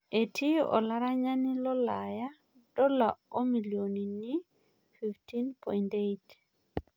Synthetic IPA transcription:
e˨tʰi˦ɔ̰˨la˦ɾa˦ɲa˦ni˦lɔ˦laja | d̥ɔ˦lao˦miljoni˨ni | fiftinpɔ̰˨indejt

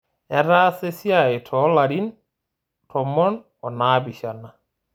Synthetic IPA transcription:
ɛ˦ɾa˦se˦sja˨e˨tʰɔ˨˦la˨ɾi˦n | tʰɔ˨mɔ˦n | ɔ˨na˦bi˨ʃa˨na˨

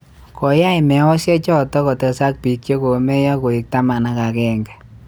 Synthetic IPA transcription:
kɔ˨ja˦imɛ˨˦wɔ˦sjɛ˦t͡ʃɔ˦˨tɔ˦kɔ˨tɛ˨sa˦k̚pi˨k̚t͡ʃe˦ko˨me˦jɔ˦ko˨i˨k̚ta˦ma˨na˦ka˨kɛ˦˨ŋɡɛ˨

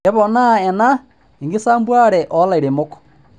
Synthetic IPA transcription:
ɛ˦βɔna˦ɛ˨na˦ | i˨ŋɡe˦saː˦mbwa˦ɾɛʔɔ˦la˨i˨ɾe˨mo˦kɔ̥

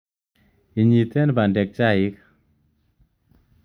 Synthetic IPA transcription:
i˨ɲi˨t̪ɛ˦nba˨ndɛ˨k̚t͡ʃa˦i˦k

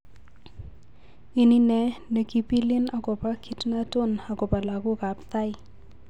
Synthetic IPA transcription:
ɪ˦ni˦nɛ˨nə˨ki˦pi˦lɪ˦na˨kɔ˨pa˦kʰitna˦to˦na˨ko˨pa˨la˨ku˦ka˨p̚t̪a˦j

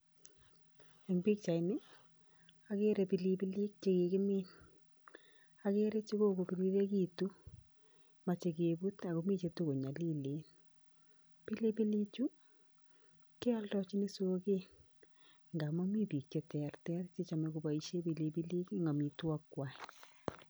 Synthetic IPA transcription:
e˨ŋbi˦k̚t͡ʃa˨nɪ˦ | a˦ke˦ɾe˨pi˨li˦pi˦li˦k̚t͡ʃeke˨kɪ˦miːn | a˨keɾe˦t͡ʃi˦ko˦ko˨pi˨li˦ɾe˦kitu˦ | ma˨t͡ʃe˨kebu˦ta˨komi˦t͡ʃe˧to˦ko˨ɲa˨li˦le˨n | pi˦li˦pi˦li˦t͡ʃu˦ | ke˦a˦ltɔt͡ʃi˦ni˦soke˦ | ŋɡa˨ma˦mi˦pi˨k̚t͡ʃe˦tɛrtɛ˦rt͡ʃe˦t͡ʃa˨mɛ˨kuba˨iʃe˦pi˨li˧pi˦li˦ki˦ŋa˨mi˨twɔ˦kːwa˨

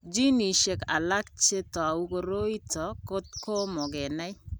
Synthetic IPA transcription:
d͡ʒi˦ni˨ʃe˨ka̰˨la˦k̚t͡ʃe˦tɔ˨a˨u˦ko˨ɾo˦i˦tʰɔ˨ko˦t̚ko˦mɔ˨ɡɛ˨na˦j

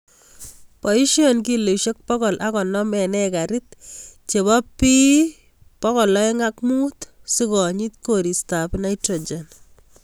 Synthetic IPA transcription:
pɔ˨i˦ʃjɔ˨nk̬i˦lo˨ʃe˦k̚pɔ˦kɔ˨lʔa˦kɔ˨nɔ˦mɛ˨nɛka˨ɾɪ˦tt͡ʃe˨βɔ˦pːi˦ | pɔ˦kɔ˨lɔ˦eŋa˦kmu˦tsi˦kɔ˨ɲi˦tko˨ɾi˨sta˨pna˦jtɾo˨d͡ʒen

